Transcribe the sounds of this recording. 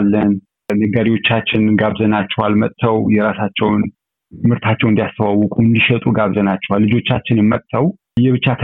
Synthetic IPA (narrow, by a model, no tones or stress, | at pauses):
lːən | nəɡaɾiwo̞t͡ʃːat͡ʃːɪnɡaβzənat͡ʃːɛwalmət̪ʼt̪ʰːəwjɛɾasat͡ʃːɛwn | ɨmhɨɾt̪ʰat͡ʃːɛwɨnd̪ijast̪ʰəwawːɔkʼuɨnd̪iʃɛt̪ʼuɡaβzənat͡ʃːɛwalːɨd͡ʒo̞t͡ʃːat͡ʃːɪnɨmːət̪ʼt̪ʰːəw | jːɛβɨt͡ʃːat̪ʰ